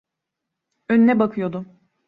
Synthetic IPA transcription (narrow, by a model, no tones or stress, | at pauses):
ønynɛbakʰɯjo̞d̪ʊ